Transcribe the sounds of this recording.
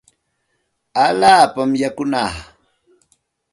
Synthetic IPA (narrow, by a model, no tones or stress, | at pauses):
aʎaːpamjakʊnaː